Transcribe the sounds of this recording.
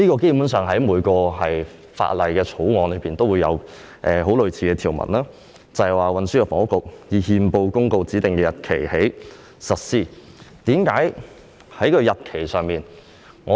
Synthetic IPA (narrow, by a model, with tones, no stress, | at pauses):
niː˥kɔː˧ke˥pu˨˥nsœː˨ŋɦɐ˨˥jmuː˨˧jkɔː˧ɦɐ˨j | fa̰ː˧t̚lɐ˨jkɛː˧t͡sʰo˨˥wŋɔː˨˧nlɵ˨˧jpiː˨nt̪o˥wu˨˧jɐ̰˨˧w | ʔɛː˨ɦo˨˥wlɵ˨ɥt͡sʰiː˨˧˥kɛː˧t̪ʰi˨˩wmɐ̰˨˩nlaː˥ | t͡sɐ˨hwaː˨˩wɐ˨nsyː˥kɛː˧fɔ̰˨˥ŋʊ˥kːʊ˨k̚jiː˨˧hiː˧mpo˧wkʊ˥ŋko˧wt͡siː˨˥t̪ɪ˨˩ŋkɛː˧jɐ˨t̚kʰe˨˩jhe˨˥j | sɐ˨t̚siː˥˩t̪iː˨˥mkaː˨˥j | hɐ˨˥jkʰɵ˨˧ɥjɐ˨t̚kʰe˨˩jsœː˨ŋmiː˨˩n | ŋɔː˨˧